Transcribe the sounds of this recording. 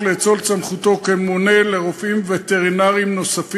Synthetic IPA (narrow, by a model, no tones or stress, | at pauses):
let͡so̞lt͡samχut̪o̞kemoneleʁofʔimvet̪eʁinaʁimno̞saf